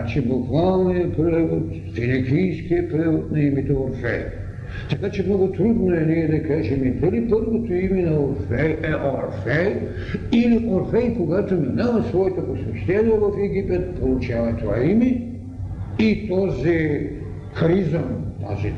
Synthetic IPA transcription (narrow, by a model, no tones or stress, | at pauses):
t͡ʃibukvalˠnijɐpɾɛvot̪ | finikʲijskiəpɾɛvot̪nɐimit̪ooɾfɛ̰j | t̪ɐkat͡ʃɛmnɔɡʊt̪ɾud̪noɛniɛd̪ɐkaʒɛmip̪əlipəɾvot̪oimɛnɐoɾfɛɛʔoɾfɛj | iliʔoɾfɛjkoɡat̪oninalˠɐsvɔɛt̪oposvɛʃt̪ɛnvɐvɐfɛɡipɛt̪̚polˠut͡ʃavɐt̪ova̰imɛ | it̪ɔzi | xɾizɐmt̪a̰zi